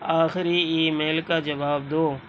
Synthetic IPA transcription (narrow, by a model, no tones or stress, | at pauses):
aːxɪɾiiːmɛːlkad͡ʒɐʋaːb̚d̪oː